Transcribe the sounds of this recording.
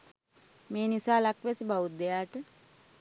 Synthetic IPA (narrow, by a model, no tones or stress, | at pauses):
meːnisaːlakʋesibaʋut̪̚d̪ejaːʈə